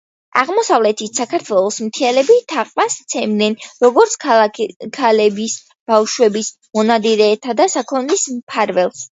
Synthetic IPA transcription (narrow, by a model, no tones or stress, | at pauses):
a̰ʁmɔsavlɛt̪ʰit̪ʰsakʰaɾt̪ʰwɛlˠɔsmt̪ʰialɛbit̪ʰaqʼmast̪sʰɛmd̪nɛnɾɔɡɔɾt̪sʰkʰalɛbis | b̥afʃwɛbis | mɔnad̪iɾɛːt̪ʰad̪asakʰɔnlismpʰaɾvɛlˠs